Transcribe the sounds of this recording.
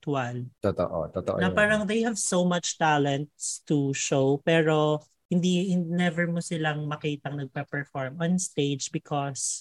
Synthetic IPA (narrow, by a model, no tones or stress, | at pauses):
t̪wɐlt̪ot̪o̰ʔo̰t̪ot̪o̰ʔo̰nɐpaːɾɐŋðejhɐvsowmɐt͡ʃt̪alɛnt̪̚st̪uʃowpɛːɾo | hɪnd̪ihɪnnɛvɛɹmosɪlaŋmɐkiːt̪ɐŋnɐɡ̚pɐpɛɹfɔɹmɔ̃nst̪ejd͡ʒbɪkʰɔs